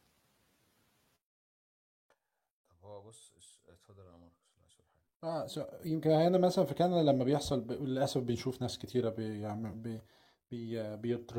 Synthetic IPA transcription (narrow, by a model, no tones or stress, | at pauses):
æbæsːes | t̪hæd̪eɾʔæ̰nmɑɾˤkselʔæ̰ʃɑɾħaːɡæʔæːsæjemkenhæʔænæmæsælænfækæːnælæmːæbejeħsˤɑlbeʔlʔæsæfbenʃuːfnæːsket̪ʰiːɾæbejaʕbe | b̥ejbejet̪ˤɾ